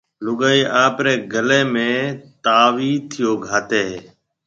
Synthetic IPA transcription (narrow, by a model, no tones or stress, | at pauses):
lʊɠaːiːʔaːpɾeːɡəleːmẽːt̪aːʋiːt̪ʰɪjoːɡʱaːt̪eːɦː